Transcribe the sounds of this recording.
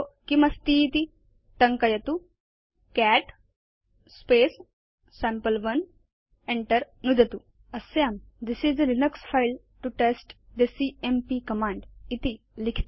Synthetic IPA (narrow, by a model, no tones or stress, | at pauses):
okimɐst̪iːt̪i | ʈɐŋkɐjɐt̪u | kæʈ | speːsː | æ̃mpəlʋɐn | ẽɳʈəɾnud̪ʱɐt̪u | ɐsjaːm | d̪isizəɾinəksfajl | ʈuʈesʈ | d̪ɐsiempikɐmãːɳɖit̪i | likʰt̪i